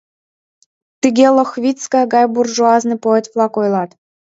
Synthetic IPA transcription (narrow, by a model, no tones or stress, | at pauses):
t̪ɨɡʲelˠɤ̆xβʲit͡skɑjɡɑjburʒuɑznɤ̆poet̪vlˠɑkojlˠɑt̪